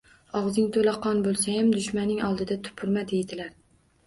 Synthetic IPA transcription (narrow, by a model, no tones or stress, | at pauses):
ɒʁzɪŋt̪ʰolaqʰɒnbolˠsajamd̪ʊʃmanːɪŋɒlˠd̪ɪd̪at̪ʰʊ̥pʰʊɾmad̪ejd̪ɪlaɾ